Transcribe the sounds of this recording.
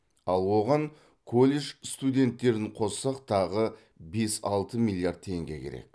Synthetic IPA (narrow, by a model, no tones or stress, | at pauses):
ɑlˠwo̞ʁɑɴ | kʰolʲːeʒst̪ud̪ʲe̞nt̪ːe̞ɾɪɴqʰo̞ssɑqt̪ʰɑʁə | be̞sɑlˠt̪əmilʲˠijard̪̚t̪ʰe̞ŋɡʲe̞̰kʲʰe̞̰ɾe̞̰k